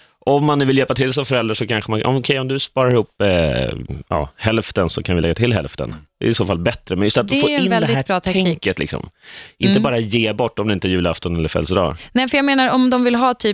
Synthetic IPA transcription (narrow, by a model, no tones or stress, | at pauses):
ʔɔmːanʉ̟ːvɪljɛlpat̪ʰɪlsɔmfœɾɛld̪ɾaʂɔkʰanɧəmanɔ̰mɔkʰɛjɔmd̪ɵspɑːɾaɾɪhʊːpː | jɑ̰ːhɛlft̪ənsɔkʰanvɪlɛɡːat̪ʰɪlːɦɛ̰lft̪ə̰nd̪̥ɛ̰ɪsoːfalbɛt̪ɾəmɛnjɵst̪at̪̚d̪foːjɪnvld̪ɛɪhæːbɾɑːt̪ʰaɛŋkət̪lɪ̰ksɔ̰mʔɪnt̪əbɑːɾajeːbɔʈːɔmd̪ɵɪnt̪əæɾjʉlaft̪ɔnɛlːəɾfɛ̰lsəd̪ɑ̰ːnɛjfəjaːɡmeːnaɾɔmd̪ɔmvɪlɦɑːt̪ʰyː